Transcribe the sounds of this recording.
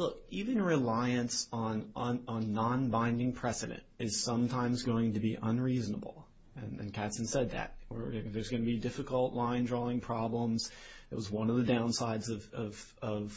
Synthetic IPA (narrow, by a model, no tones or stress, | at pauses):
lʊkivɨ̃nɹɨlaɪɨ̃nsn̩nnːɑ̃nbãɪ̃ndɪ̃ŋpʰɹ̥ɛsɨɾɨ̰̃ntɨz̥sʌ̃mtʰãɪ̃mzɡoʊɪ̃ŋtɨbiʔə̃nɹiznə̰bl̩ˠ | ɨ̃nɨ̰̃nkʰætsn̩sɛd̪̚ðɨ̰t̚wə̰˞ðə˞zɡʌnɨbidɪfɨkl̩ˠʔlãɪ̃ndɹɔɪ̃ŋpʰɹ̥ɑblə̃mz̥ɨt̚wʌzwʌ̃nʌvðɨdãʊ̃nsaɪdzʌvʌv̥ | ʌv̥